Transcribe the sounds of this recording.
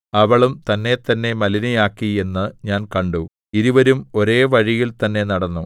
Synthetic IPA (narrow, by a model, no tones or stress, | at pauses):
ɐʋɐɭumt̪ɐnːe̞t̪ɐnːe̞mɐlinijaːkːie̞nːɨɲaːnkɐɳɖu | iðuʋɐɾumo̞ɾe̞ːʋɐɻijilt̪ɐnːe̞nɐɽɐnːu